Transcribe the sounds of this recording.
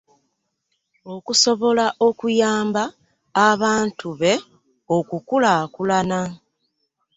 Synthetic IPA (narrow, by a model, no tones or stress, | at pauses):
o̞kuso̞βo̞laʔo̞kujaːmbaː | βaːntʰuβe̞ | o̞kukulakulana